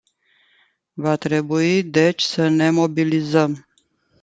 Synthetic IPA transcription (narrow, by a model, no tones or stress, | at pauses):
vat̪ɾe̞buid̪e̞t͡ʃʲsəne̞mo̞bilizəm